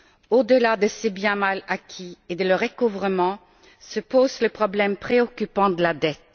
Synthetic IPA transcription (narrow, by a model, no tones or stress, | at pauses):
od̪əlad̪əsebjɛ̃malakʲʰied̪ələʁekuvʁəmɑ̃ | səpozləpχɔblɛmpχeɔkʲypɑ̃d̪əlad̪ɛt̪